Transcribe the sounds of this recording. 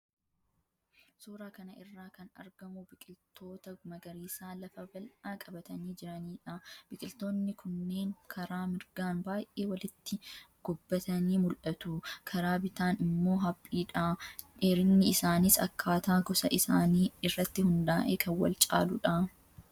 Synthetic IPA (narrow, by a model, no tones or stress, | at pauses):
suːɾaːkɐnɐʔɪrːaːkɐnɐ̰ɾɡɐmʊbɪkʼɪlt̪o̞ːt̪ɐɡʊmɐɡɐɾiːsaːlɐfɐbɐlʔaːkʼɐbɐt̪ɐniːd͡ʒɪɾɐniːᶑɐb̥ɪkʼɪlt̪o̞ːnːɪkʰʊnːeːŋkʰɐɾaːmɪɾɡaːnbaːjʔe̞ːwɐlɪt̪ːɪɡ̥ʊbːɐt̪ɐniːmʊlʔɐt̪ʊkʰɐɾaːbɪt̪aːnɪmːo̞ːɦɐpʼːiːᶑaᶑeːɾɪnːɪɪsaːnɪsɐ̰kʰːaːt̪aːɡɔsɐʔɪsaːniːɪrːɐt̪ːɪhʊnd̪aːʔeːkʰɐnwɐ̰lt͡ʃʼa̰ːlʊᶑɐ